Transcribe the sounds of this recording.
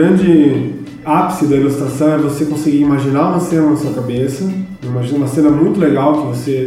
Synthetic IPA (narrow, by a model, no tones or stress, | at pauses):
ɾɐ̃d͡ʒɪ | apsɪd̪ɐilust̪ɾasɐ̃w̃ɛvosekõsɪɡiɾimaʒinaɾũmɐsẽnɐnɐsuɐkabesɐ | wimaʒĩnũmɐsẽnɐmũj̃t̪ʊleɡawkɪvose